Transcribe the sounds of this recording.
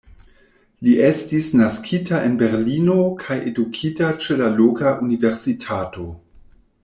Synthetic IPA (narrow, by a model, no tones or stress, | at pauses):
liʔestisnaskʰitaʔenbe̞ɾlino̞kʰajʔedukʰitat͡ʃe̞lalokaʔunive̞ɾsitʰato̞